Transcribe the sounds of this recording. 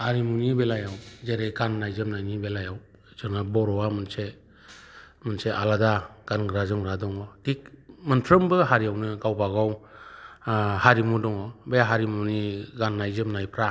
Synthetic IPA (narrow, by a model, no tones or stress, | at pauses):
haɾimunibelajawzeɾejɡanːajzɯmnajnibelajaw | zɯŋabɔɾɔwamɯnse | mɯnseʔaladaɡ̥anɡɾazɯŋɾadɔŋɔtik̚mɯnpʰɾɯmbɯɦaɾijawnɯɡawbaɡaw | haɾimudɔŋɔbejaɦaɾimuniɡanːajzɯmnajpʰɾa